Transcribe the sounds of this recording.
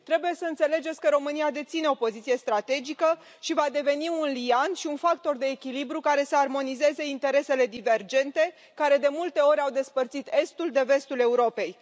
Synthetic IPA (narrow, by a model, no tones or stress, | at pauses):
t̪ɾe̞buje̞səɨnt̪se̞le̞d͡ʒesʲkəɾo̞mɨniad̪e̞t̪sine̞o̞po̞zit̪sije̞st̪ɾat̪e̞d͡ʒikə | ʃivad̪e̞ve̞niunlianʃiunfak̚t̪o̞rd̪e̞ːkʲilibɾukaɾe̞səarmo̞nize̞ze̞int̪e̞ɾe̞se̞le̞d̪ive̞rd͡ʒe̞nt̪e̞ | kaɾe̞d̪e̞mult̪e̞o̞ɾʲawd̪e̞spərt̪sit̪e̞st̪uld̪e̞ve̞st̪ule̞uɾo̞pe̞j